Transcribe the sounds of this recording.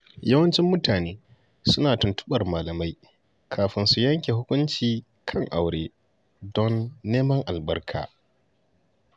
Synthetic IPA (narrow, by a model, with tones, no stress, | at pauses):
ja˦wɐ˦nt͡ʃɪ˦mːʊ˦taː˨neː˦ | sʊ˦naː˨tʊ˨ntʊ̥˦ɓɐ˨rmaː˨lɐ˨ma˦j | kʰaː˨ɸɪ˦nsu˨jɐ˦ŋkʲe˨ɦʊ˦kʷʊ˦nt͡ʃiː˨ | kʰɐ˦ŋʔa˨wɽeː˦ | dɔ˦nːeː˦mɐ˦ŋʔa˨lbɐ˦rkʰa̰ː˨